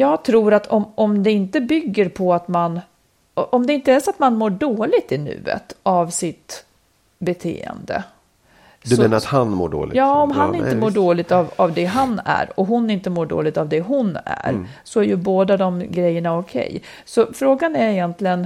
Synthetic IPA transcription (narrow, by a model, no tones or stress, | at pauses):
jɑːɡt̪ʰɾuːɾat̪ʰɔmɔmd̪ɛɪnt̪əbʏɡːəɾpʰɔat̪man | ʔɔmd̪ɛɪnt̪əæʂɔat̪manmoːɖoːlɪɡ̚t̪ɪnʉ̟̰ːə̰t̪avsɪt̪ | bɛt̪ʰḛːə̰nd̪ə̰ | dsmeːnəɾat̪hanmo̰ːɖo̰ːlɪ̰jɑːɔmɦanɪnəmoːɖoːlɪɡ̚t̪avavd̪ɛɦanæ̰ɾɔɦʊnɪnt̪əmoːɖo̰ːlɪɡ̚t̪avd̪ɛɦʊnæ̰ɾsɔæɾjɵboːd̪ad̪ɔmɡɾɛjːəɳaɔkʰɛ̰jː | sɔfɾoːɡanæɾɪjɛnt̪lɪɡən